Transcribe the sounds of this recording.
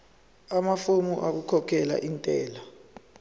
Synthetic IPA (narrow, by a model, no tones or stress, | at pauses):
amafumuʔak̬ukʰɔkʰɛla̰ʔintʼɛːla